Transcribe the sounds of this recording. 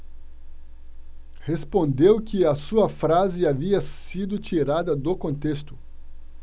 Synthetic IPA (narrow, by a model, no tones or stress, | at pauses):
hespõnd̪ewkɪɐsuɐfɾazɪaviɐsid̪ʊt͡ʃiɾad̪ɐd̪okõnt̪est̪ʊ̥